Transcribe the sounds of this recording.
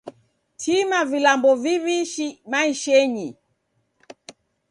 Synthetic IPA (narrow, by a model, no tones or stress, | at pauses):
tʰimavilambɔviβiʃimaiʃɛɲi